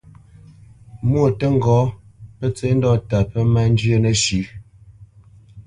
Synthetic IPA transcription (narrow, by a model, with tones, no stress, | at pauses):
mwo˨tə˦ŋ̩˨ɡɔː˨˦pə˦t͡se˨˦n˦dɔ˦˨ta˨pə˦ma˦n˦d͡ʒɥe˦nə˨ʃʉ˨˦